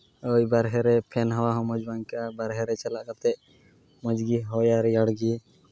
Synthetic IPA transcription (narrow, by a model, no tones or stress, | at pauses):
ɔjbaɾɦɛɾɛpʰɛnɦɔwaɦɔ̃mɔd͡ʒbaŋkabaɾɦɛɾɛt͡ʃalaʔkaɾt̪ɛʔ | mɔd͡ʒɡiɦɔjaɾijaɽɡi